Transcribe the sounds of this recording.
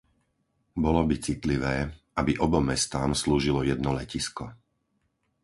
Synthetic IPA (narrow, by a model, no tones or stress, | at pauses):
bɔlɔbit͡sit̪liʋɛː | abiʔɔbɔmɛst̪aːmsluːʒilɔjɛd̪nɔlɛciskɔ